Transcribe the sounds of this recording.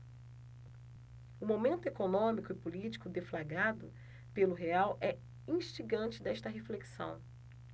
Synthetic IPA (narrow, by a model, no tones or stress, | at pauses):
ʊmomẽnt̪ʊekonõmikʊɪpulit͡ʃi̥kʊd̪eflaɡad̪ʊ | pelʊɦeawʔɛ | ĩʃt͡ʃiɡɐ̃nt͡ʃɪd̪ɛst̪ɐɦefleksɐ̰̃w̃